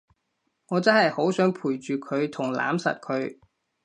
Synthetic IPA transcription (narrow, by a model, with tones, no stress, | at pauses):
ŋɔː˨˧t͡sɐ˥nhɐ˨jho˨˥wsœː˨˥ŋpʰuː˨˩jt͡ʃyː˨kʰɵ˨˧ɥt̪ʰʊ˨˩ŋla̰ː˨˥msɐ̰˨t̚kʰɵ˨˧˥ɥ